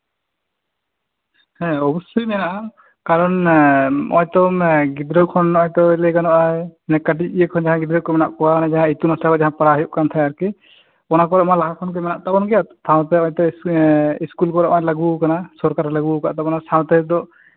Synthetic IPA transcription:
hɛ̃ɔbɔsujmɛnaʔa | kaɾɔn | ɔ̰jt̪ɔmɡid̪ɾɔkʰɔnɔjt̪ɔilɛɡanɔʔanɛkaʈ̬iijekʰɔnd͡ʒaɦãɡid̪ɾɔkɔmɛna̰ʔkɔwaanad͡ʒaɦãit̪umasakɔd͡ʒaɦãpaɾaɦjuʔ̚kant̪ʰajaɾki | ɔnakɔɾmalaɦakʰɔnkɔjmɛnaʔt̪abɔnɡɛjat̪t̪aw̃t̪ɛɔɲt̪ɔ | iskulkɔɾɔʔɔjlaɡukanasɔɾkaɾɛlaɡuka̰ʔt̪abɔnasaw̃t̪ɛd̪ɔ

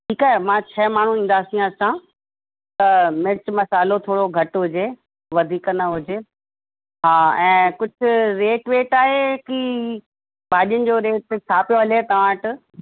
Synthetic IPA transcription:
ʈʰiːkaːɦemãːt͡ɕʰɐːmaːɳ̤ũĩːn̆d̪aːsĩɐsã | t̪ɐmɪɾt͡ɕmɐsaːlot̪ʰoːɽoɡʱɐʈɦʊd͡ʑeː | ʋɐd̪ʱiːknɐɦʊd͡ʑeː | ɦaːɛ̃ːkʊd͡ʑʱʊ̆ɾeːʈʋeːʈaːɦekiː | baːɗijənɪ̆d͡ʑoːɾeːʈ̪̚t͡ɕʰaːpijoɦɐlet̪ɐʋãʈɪ

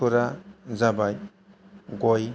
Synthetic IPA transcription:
uɾazabaj | ɡɔj

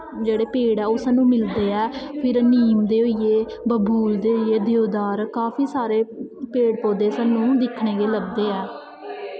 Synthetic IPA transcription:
d͡ʒeːɽeːpeːɽɛːʊsaːnũːmɪld̪eːɛːpʰɪɾniːmd̪eːoieː | bəbuːld̪eːieːd̪eoːd̪aːɾkaːpʰiːsaːɾeːpeːɽpoːd̪eːsaːnũːd̪ɪkʰɳeːɡeːləb̚d̪eːɛː

